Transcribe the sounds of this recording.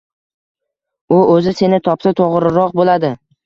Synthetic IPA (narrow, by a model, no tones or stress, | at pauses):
ʊɵzɪse̞nɪt̪ʰɒpsat̪ʰoʁɾɪɾɒqbolad̪ɪ